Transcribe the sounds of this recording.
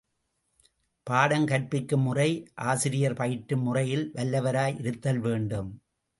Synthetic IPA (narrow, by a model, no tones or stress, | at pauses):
paːɽɐŋkɐʈ̚pɪkːɯmːʊrɐɪʔaːsɪɾɪjɐɾpɐjɪʈːɯmːʊrɐjɪlʋɐlːɐʋɐɾaːjʔɪɾɯt̪ːɐlʋeːɳɖɯm